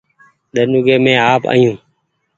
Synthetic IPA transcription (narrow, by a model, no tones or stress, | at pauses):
ɗ̪ənuːɡeːmẽːaːpa̰ːjũː